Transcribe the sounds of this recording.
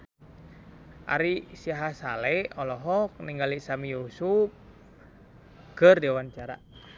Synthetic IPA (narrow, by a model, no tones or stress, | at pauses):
ʔa̰ɾisiaɦasa̰lɛɔlɔɦɔk̚niŋɡalisamijusup̚ | ɡərdiawant͡ʃaɾa̰